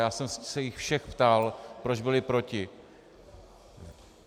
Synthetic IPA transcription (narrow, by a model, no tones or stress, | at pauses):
jaːsɛmsɛjɪxfʃɛxpt̪alpɾo̞d͡ʒbɪlɪpɾo̞cɪ